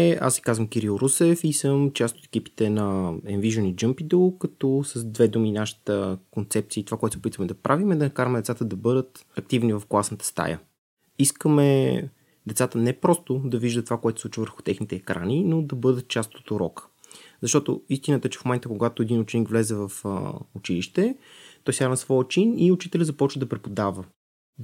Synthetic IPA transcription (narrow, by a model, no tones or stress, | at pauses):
ɛa̰sʲi̥kazvəmkiɾilˠɾusɛfisəmt͡ʃast̪o̥t̪ɛ̥kipi̥t̪ɛnɐɛnviʒonid͡ʒɤmpid̪olˠkɐt̪ɔsəzd̪vɛd̪uminaʃi̥t̪əkont̪sɛp̚t̪siːt̪ovakoɛt̪sɛopit̪vəmɛd̪ɐpɾʔavimɛd̪ɐnɐkaɾəmɛd̪ɛt̪sat̪əd̪ɐbɤd̪ət̪ɐk̚t̪ivnivɐfklˠasnət̪ə̥st̪a̰jə̰ | iskəmɛ | d̪ɛt̪sat̪ənɛpɾɔst̪od̪ɐviʒd̪ət̪ovakoɛt̪o̥sˠut͡ʃvəvəɾxʊ̥t̪ɛxnit̪ɛːkɾa̰nʲinod̪ɐbɤd̪ət̪̚t͡ʃast̪o̥t̪oɾɔkə̥zɐʃt̪ɔt̪o̰ist̪inət̪ət͡ʃɛ̥fmomɛnt̪əkoɡat̪oɛd̪inʊt͡ʃɛnikvlɛzɛvɐfʊt͡ʃiliʃt̪ɛ | t̪ɔjsaɾnəsvɔjət͡ʃiniʊt͡ʃit̪ɛlʲəzɐpɔt͡ʃvəd̪ɐpɾɛpod̪avə